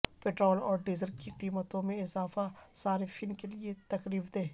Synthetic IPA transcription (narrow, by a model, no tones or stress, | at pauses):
peːʈɾoːlɔːɾɖizəlkiqiːmət̪õmẽɪzaːfasaːɾefɪnkeliet̪ɐkɾiːfd̪eː